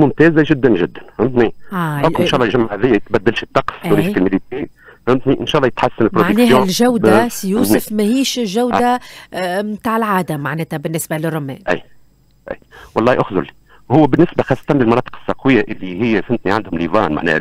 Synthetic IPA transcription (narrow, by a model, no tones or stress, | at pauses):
mʊmt̪ɛːzaʒɪd̪ːænʒɪd̪ːænhʊmt̪niʊɪnʃɑʔlˤːɑjʒamːaʕhæðɪjːæjt̪̚bæd̪ːælʃət̪ːɑqsuɾifkɪlmɪlit̪ihʊmt̪niʔɪnʃɑæʔlːɑjɪt̪ħasːanɪlpɾodaʕəknksɛːhjoːlʒawd̪asjuːsɪfmæhiːʃʒawd̪a | mmt̪aːʕɪlʕaːd̪amaʕnɛːt̪æbɪnːɪsbalɪrˤːʊmːɛ̰ːmʔæ̰j | ʔæ̰jwɑlːˤɑːhiʔʊxzʊ̰li | hʊwːæbɪnːɪsbaxɑːsˤːɑ̥t̪ˤɑnlɪlmɑnɑːt̪ə̥qə̥sːɑqwɪjːaʔɪlːihɪjːæsɪnt̪niʕand̪hʊmlivɑ̰ːnma̰ʕnɛ̰h